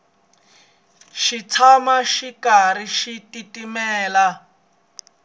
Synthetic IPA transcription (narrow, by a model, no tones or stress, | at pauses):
ʃit͡sʰamaʃikaɾiʃititimɛːla